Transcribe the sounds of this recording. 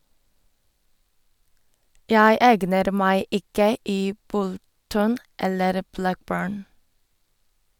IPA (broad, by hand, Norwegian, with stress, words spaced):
ˈjæɪ ˈeːɡnəɾ ˈmæɪ ˈɪkə ˈiː ˈbʊlˌtɔn ˈɛləɾ ˈblækˌbøːɳ